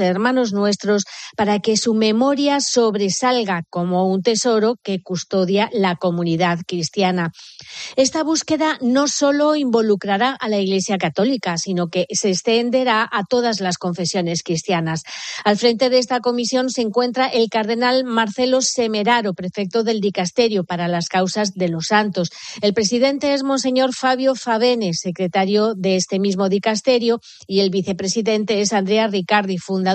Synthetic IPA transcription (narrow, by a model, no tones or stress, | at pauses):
eɾmãno̞znwe̞st̪ɾo̞spaɾake̞sume̞mo̞ɾjaso̞βɾe̞salɣako̞mo̞unt̪e̞so̞ɾo̞ke̞kust̪o̞ðjalako̞mũniðaðkɾist̪jana | e̞st̪aβ̞uske̞ðano̞so̞lo̞imbo̞lukɾaɾaʔalaiɣle̞sjakat̪o̞likasino̞kese̞st̪e̞nd̪e̞ɾaʔat̪o̞ð̞azlasko̞ɱfe̞sjo̞ne̞skɾist̪janasalfɾe̞nt̪e̞ðest̪ako̞misjo̞nse̞ŋkwe̞nt̪ɾaʔe̞lkaɾð̞e̞nalmaɾθe̞lo̞se̞me̞ɾaɾo̞pɾe̞fek̚t̪o̞ðe̞ld̪ikast̪e̞ɾjopaɾalaskawsazðe̞lo̞sːant̪o̞se̞lpɾe̞siðe̞nt̪e̞ezmons̬e̞ɲo̞ɾfaβjo̞faβ̞e̞ne̞se̞kɾe̞t̪aɾjoðe̞est̪e̞mizmo̞ðikast̪e̞ɾjo | ie̞lβiθe̞pɾe̞siðe̞nt̪e̞esand̪ɾearikaɾðifund̪a